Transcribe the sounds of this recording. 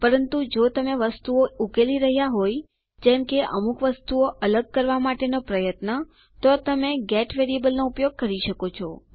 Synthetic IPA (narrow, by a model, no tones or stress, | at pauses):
pəɾənt̪ud͡ʒot̪əmeʋəst̪uoukeliɾəɦjaɦoj | d͡ʒɛ̃mkeʔə̰mukʋəst̪uoʔələɡ̚kəɾʋamaʈenopɾəjət̪nə | t̪ot̪əmeɡɛʈʋeɾiebəlnoupjoɡ̚kəɾiʃəkot͡ʃʰɔ